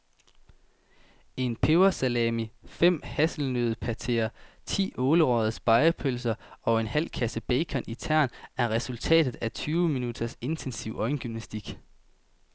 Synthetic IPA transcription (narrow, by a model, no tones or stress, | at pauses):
e̝npʰeʊɐsælɛmifem̰hæsl̩nøð̩ˠpʰæt͡sʰe̝̰ːɐt͡sʰḭːʔɔːləʁɒðˠsb̥ɑ̈ɪɐpʰølsɐɒ̽e̝nhæl̰kʰæsəb̥eɪkʰɒnʔit͡sʰæɐ̰næɐʁɛsult͡sʰɛ̰ːd̥ð̩ˠæt͡sʰyːʊəminud̥ɐse̝nt͡sʰensiʊ̰ʔɒ̽ɪn̩ɡ̥ymnæsd̥iɡ̥